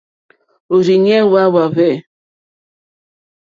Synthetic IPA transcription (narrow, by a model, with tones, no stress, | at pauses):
o˨ɾi˨ɲɛ˦wa˦wa˨βɛ˦˨